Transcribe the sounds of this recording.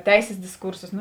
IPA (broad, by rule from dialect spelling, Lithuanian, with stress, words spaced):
ˈtʲɛɪsʲeːs dʲɪsˈkuːrsoːs nʊ